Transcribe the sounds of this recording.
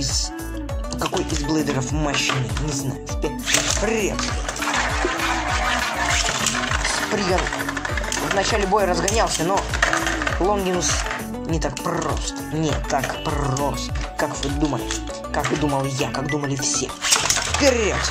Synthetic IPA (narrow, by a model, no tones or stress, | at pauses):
ɪz | kɐko̞jʔɪzblˠɨjd̪əɾəfmɐɕinɨnʲɪzna̰jʊfpʲet̪pɾʲḛt̪s | spɾʲɪɡa | vnɐt͡ɕalʲɪbo̞jəɾəzɡɐnʲalˠsʲəno | lˠonɡʲɪnʊs | nʲɪt̪ak̚pro̰st̪ə̥nʲɪkakpost̪kakvɨd̪uməlʲɪ | kakd̪uməlˠjakaɡd̪uməlʲɪfsʲḛfpʲɪɾʲet̪